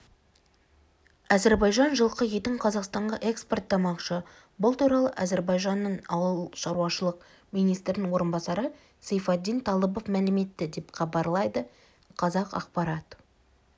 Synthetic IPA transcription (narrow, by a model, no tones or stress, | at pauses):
æzeɾbɑjʒɑnʒəlˠqəje̞t̪ɪɴqʰɑzɑqst̪ɑɴʁɑʔe̞kspert̪ʰːɑmɑqʃə | bʊlˠt̪uɾɑlˠəʔæzeɾbɑjʒɑnːəɴɑwəlˠʃɑɾuwɑʃəlˠəq | mijnijst̪ɾɪnɪŋwo̞ɾənbɑsɑɾə | sejfɑd̪ːijnt̪ʰɑlˠəbo̞fmælɪme̞t̪ːɪd̪e̞pχʰɑbɑɾlˠɑjd̪ə | qʰɑzɑqɑ̰q̚pɑɾɑt̪